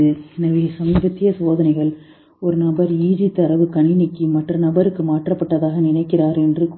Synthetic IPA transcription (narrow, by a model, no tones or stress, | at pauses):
ɯnɐʋɪɐsɐmiːbɐt̪ːɪjɐsʋoːðɐnɐɪɣɐɭ | ɔɾɯnɐbɐɾiːðit̪ːɐɾɐʋɯkɐɳɪnɪkːɯmɐʈrɐnɐbɐɾɯkːɯmaːʈrɐpːɐʈːɐðaːɣɐnɪnɐɪkːɪraːɾɛndrɯk